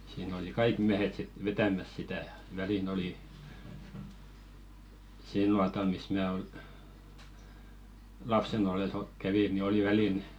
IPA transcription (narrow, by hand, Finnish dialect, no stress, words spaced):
siːn oli kɑik miæhet sit ʋetæmæs sitæ ʋælin oli sil nuɑtɑl mis mæː ol lɑpsen olˑes o kæʋi ni oli ʋælin